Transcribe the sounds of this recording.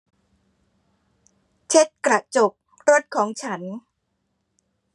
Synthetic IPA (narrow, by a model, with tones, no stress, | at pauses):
t͡ɕʰe˦˥t̪̚kɾa˨˩ʔt͡ɕo˨˩p̚ | ɾo˦˥t̪̚kʰɔː˩˦ŋt͡ɕʰa˦˥n